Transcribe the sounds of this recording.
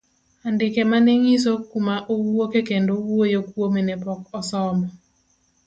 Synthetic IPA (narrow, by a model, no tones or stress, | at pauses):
andɪkemaneŋis̬okumaʔowokekendowojokwomenɛpɔkɔsɔmɔ